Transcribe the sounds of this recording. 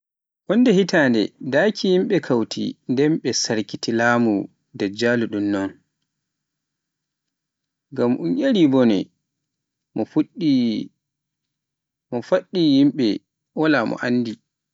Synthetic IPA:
ʔɔndɛhitaːndɛ̰dakʰijimɓɛkʰawtʰḭndɛmɓɛsaɾkitilaːmu | dad͡ʒaːluɗunːɔn | ɡamʔunʔeɾibɔnɛ̰ | mɔfuɗi | mɔfaɗːijimɓɛ | walamɔ̰ʔanːdi

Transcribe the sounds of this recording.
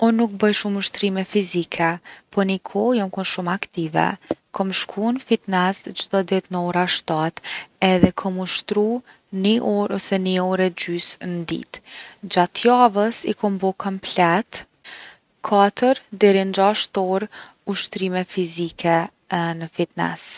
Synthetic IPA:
ɔnuk̚bəjʃumuʃt̪ɾimɛfizikʰɛpɔɾnikʰɔjɔmkunʃumakt̪ivɛ̰kɔmʃkʰunfit̪nɛsd͡ʒd̪ɔd̪it̪nəɔɾaʃt̪at̪ɛðɛkʰɔmuʃt̪ɾu | niʔɔɾɔsɛniɔɾɛd͡ʑysnəd̪ḭt̪d͡ʒat̪javəsikɔmbɔkɔmplɛt̪ | kʰat̪ʰəɾd̪ɛɾind͡ʒaʃt̪ɔɾ | uʃt̪ɾimɛfizikʰɛ | nəfit̪nɛ̰s

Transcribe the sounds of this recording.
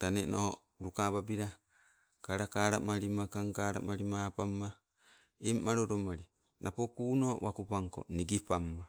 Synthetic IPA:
taneno̰o | ɾukababiɾa | kaɾakaɾamaɾimakaŋkaɾa̰maɾimapamːa | emːaɾoɾomaɾi | nʔapokuːnowakupaŋko̰niɡipamːa

